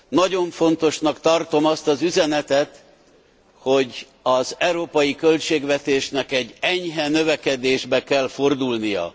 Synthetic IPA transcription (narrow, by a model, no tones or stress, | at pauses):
nɒɟo̞ɱfo̞nt̪o̞ʃnɒkt̪ɒrt̪o̞mɒst̪ɒzyzɛnɛt̪ɛt̪ | ho̞ɟ | ɒzɛwɾoːpɒjikølt͡ʃeːɡʋɛt̪eːʃnɛkɛɟːɛɲɦɛnøvɛkɛd̪eːʒbɛkɛlfo̞rd̪ulnijɒ̰